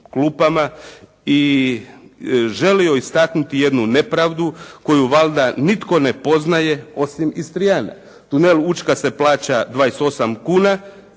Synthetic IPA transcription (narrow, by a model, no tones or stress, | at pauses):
klupama | i | ʒe̞lio̞ist̪aknut̪ije̞d̪nune̞pɾaːʋd̪uko̞juʋalˠd̪anit̪ko̞ne̞po̞znaje̞o̞simist̪ɾijaːna̰ | t̪une̞lut͡ʃkase̞plˠaːt͡ɕad̪ʋaːjeso̞samkuːna